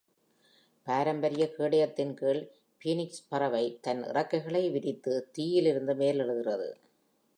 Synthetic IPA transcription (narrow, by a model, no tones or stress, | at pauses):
paːɾɐmbɐɾɪjɐkeːɽɐjɐt̪ːɪnkeːɭ | piːnɪkspɐrɐʋɐɪt̪ɐnʔɪ̰rɐkːɐɪɣɐɭɐɪʋɪðɪt̪ːɯt̪iːjɪlɪɾɯnd̪ɯmeːlɛɻɯðɪrɐðɯ̰